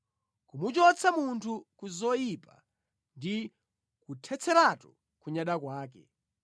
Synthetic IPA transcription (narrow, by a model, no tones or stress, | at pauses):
kumut͡ʃɔt͡sʰamuntʰukuzɔjipa̰ | ndi | kutʰɛt͡sʰɛɾatuɔ̥ | kuɲaɗakwaːkɛ̰